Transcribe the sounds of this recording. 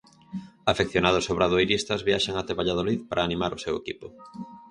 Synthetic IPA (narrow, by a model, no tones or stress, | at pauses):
afekθjonaðʊsoβɾaðoejɾist̪azβiaʃaŋat̪eβaʎað̞oliðpaɾʔaːnĩmaɾʊsewekipʊ